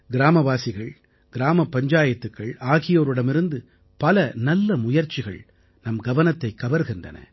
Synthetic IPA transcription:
ɡɪɾaːmɐʋaːsɪɣɐɭ | ɡ̥ɪɾaːmɐpːɐɲd͡ʒaːjɐt̪ːɯkːɐɭaːɣɪjoːɾɯɽɐmɪɾɯnd̪ɯ | pɐlɐnɐlːɐmʊjɐɾt͡ʃɪɣɐ̰ɭ | nɐmɡɐʋɐnɐt̪ːɐɪkːɐʋɐɾɣɪndrɐ̰nɐ̰

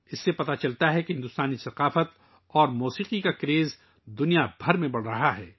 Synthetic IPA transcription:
ɪsːepɐt̪at͡ʃɐlt̪aɦɛkeɦɪ̃nd̪ʊst̪aːnisɐqaːfət̪ | ɔːɾmuːsiːqikakɾeːz | d̪ʊnijabʱɐɾmẽbɐɽ̤ɾɐɦaɦɛː

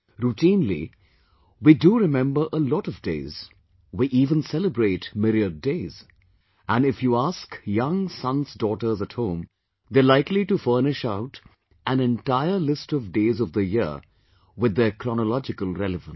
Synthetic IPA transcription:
ɾuʈĩːnlḭ | widuɾɪmɛ̃mbə˞ʔəlɔɾʌvdḛɪz | wiʔiːvə̃nsɛləbɹeɪtmɪɾiədeɪz | æ̃nɪfjuæskjʌ̃ŋsʌ̃nzdɔːʈə˞zəthõʊ̃m | ðelaɪkliʈufɜ˞nɪʃaʊt | æ̃nɛ̃ntaɪəlɪstʌvdeːzʌvðəjɪɹ | wɪðːəkʰɾɔnəlɔd͡ʒɪkəlˠɾɛlɨvə̃n

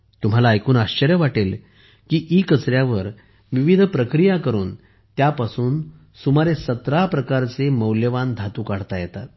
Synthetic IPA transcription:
t̪um̤alaːjkuːnaɕt͡ɕəɾjəʋaʈel | kiːʔikət͡sɾjaʋəɾ | ʋiʋid̪ʱpɾəkɾijakəɾuːn | t̪japasuːn | sumaɾesət̪ɾapɾəkaɾt͡seməwljəʋand̪ʱat̪uːkaɽ̤t̪ajɛt̪at̪̚

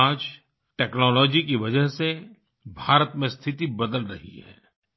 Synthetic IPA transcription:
aːd͡ʒ | ʈɛːknɔːlɔːd͡ʒikiʋɐd͡ʒəɦse | bʱaːɾət̪mẽst̪ʰɪt̪ibɐd̪əlɾɐ̰ɦḭɦɛ̰ː

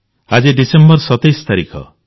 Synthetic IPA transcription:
ad͡ʒiɖisembɔɾsɔt̪ajst̪aɾikʰɔ̰

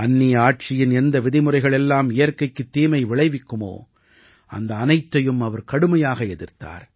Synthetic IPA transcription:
ɐnːiːɐaːʈ̚t͡ʃɪjɪnɛnd̪ɐʋɪðɪmɯrɐɪɣɐɭɛlːaːmɪjɐɾkɐɪkːɯt̪ːiːmɐɪʋɪɭɐɪʋɪkːɯmo̰ː | ʔɐ̰nd̪ɐːnɐɪt̪ːɐjɯmɐʋɐɾkɐɽɯmɐjaːɣɐɛðɪɾt̪a̰ːɾ

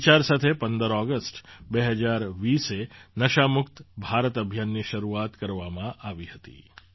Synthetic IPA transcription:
t͡ʃaɾsat̪ʰepə̃nd̪əɾɔɡəsʈbeɦəd͡ʒaɾʋiːsenəʃamʊkt̪bʱaɾət̪əbʱjanːiʃəɾuat̪kəɾʋamãʔaʋihət̪ḭ

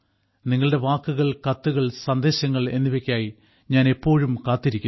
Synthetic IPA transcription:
niŋːɐɭɨɽe̞ʋaːkːuɣɐɭkɐt̪ːuɣɐɭsɐnd̪e̞ːɕɐŋːɐɭe̞nːiʋekʲːaːji | ɲaːne̞pːo̞ːɻumkaːt̪ːiɾikʲːu

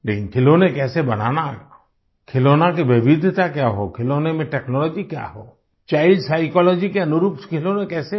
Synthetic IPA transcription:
lekinkʰilonekɛsebənana | kʰilonakebebid̪ʱt̪akjaɦo̰kʰilonemeʈeknɔlɔd͡ʒikja̰ɦo | t͡ʃajlsajkɔlɔd͡ʒikeənuɾupskʰilonekɛse

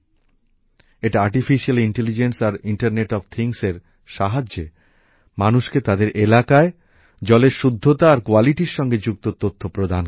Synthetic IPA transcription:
eʈaaɾʈifiʃialiɳʈelid͡ʑensaɾiɳʈaɾneʈɔft̪ʰiŋseɾ | ʃaɦad͡ʑːe | manuʃket̪ad̪eɾʔelakae | d͡ʑɔleɾʃud̪ʱːot̪aːɾkoaliʈiɾʃɔŋɡed͡ʑuk̚t̪ot̪ot̪ʰːopɾod̪ʱan

